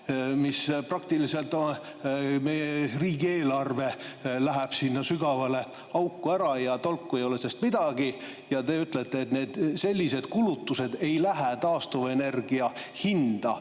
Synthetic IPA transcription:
misprɑk̚t̪ilise̞lt̪ːˑon | me̞jeriːɡie̞ːlɑrve̞læɦæb̥sinːɑsyɡ̥ɑvɑle̞ | ɑwkːuæɾɑjɑt̪o̞lkːue̞jo̞lesest̪mid̪̥ɑɡ̥i | jɑt̪e̞yt̪ˑlet̪ːeːt̪ne̞ːd̪̥se̞lʲːise̞d̪̥kulut̪ːuse̞d̪̥e̞jlæɦæt̪ɑːst̪uve̞ne̞rɡ̥iɑhind̪̥ɑ

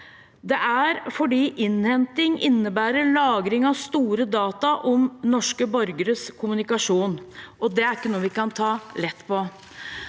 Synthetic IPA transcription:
d̪ɛʔæɾfɔɖiːʔɪnhɛnt̪ɪŋʔɪnːəbæːɾəɭɑːɡɾɪŋɑʋst̪uːɾəd̪ɑːt̪ɑʔɔmnɔʂkəbœɾɡəɾəskʰʊmʉnɪkɑʂuːnʔɔd̪ɛæɾɪkːənuːəʋɪkɑnt̪ʰɑːlɛt̪ːpʰɔ

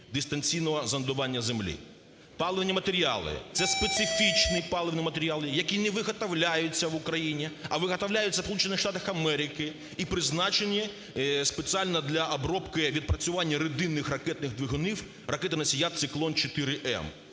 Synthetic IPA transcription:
d̪ɪst̪ɐnʲt͡sʲijnɔɦɔzɐnd̪ʊʋɑnʲːɐzemlʲḭ | pɑlˠɪʋnʲimɐt̪eɾʲiɑ̰lˠɪ̰t̪sɛspet̪sɪfʲit͡ʃnɪpɑlˠɪʋnʲimɐt̪eɾʲalˠɪjɐkʲinɛʋɪɦɐt̪ɐwlʲajʊt͡sʲːɐʋʊkɾɐjinʲiɐʋɪɦɐt̪ɐwlʲajʊt͡sʲːɐspɔlˠut͡ʃenːɪxʂʃt̪ɑt̪ɐxɐmɛɾʲɪkɪ | ipɾɪznɑt͡ʃenʲːi | spet͡sʲialʲnɐd̪lʲɐʔɐbɾɔpkɪʋʲid̪̚pɾɐt͡sʲʊʋɑnʲːɐɾed̪ɪnːɪxrɐkɛt̪nɪɣd̪ʋɪɦʊniw | rɐkɛt̪ɪnɐsʲijat̪̚t̪sɪklˠɔnt͡ʃɔt̪ɪɾɪʔɛ̰m

